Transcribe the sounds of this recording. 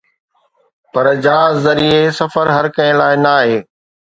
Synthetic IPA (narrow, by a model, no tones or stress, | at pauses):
pɐɾd͡ʑaːzːɐɾiesɐfəɾɦɐɾkɐɪ̃laːɪnaːɦeː